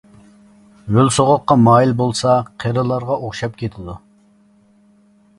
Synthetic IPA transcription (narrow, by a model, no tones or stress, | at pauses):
wølsoʁʊqːɑmɑːjilbolˠsɑqʰeɾɨlˠɑɾʁɑʔoχʃɑp̚kʲʰet̪ʰɪd̪u